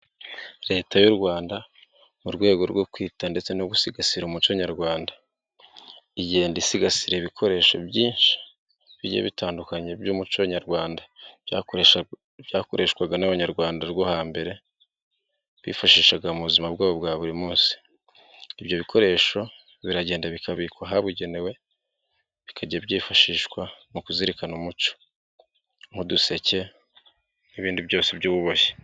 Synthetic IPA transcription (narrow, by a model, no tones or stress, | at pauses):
ɾe̞ːtajuɾɡwaːnda | muɾɡwe̞ːɡo̞ɾɡo̞kwiːtande̞t͡se̞noɡusiɡasiɾumut͡ʃoɲaɾɡwaːnda | iɟihe̞ndisiɡasiɾeβikʰo̞ɾe̞ːʃo̞̰bjiːnʃi̥ | βiɟḛβitaːndukaɲe̞bjomut͡ʃoɲaɾɡwaːnda | jaːko̞ɾʔe̞ʃkwaɡanaβaɲaɾɡwaːndaɾɡwohaːmbe̞ɾe̞ | βḭːfaʃiːʃaɡaumuβuzimabɡwaːβo̞bɡwaːβuɾimuːnsi̥ː | bjo̞βikʰo̞ɾe̞ːʃo̞ | βiɾaɟe̞ːndaβikʰaβikwaɦaβuɟe̞newe̞ | βikʰaɟabɟiːfaʃiːʃkwamukuziɾikanumut͡ʃo̥ | ŋhuduse̞ce̞ | niβiːndibɟo̞ːsebɟuːβuβoje̥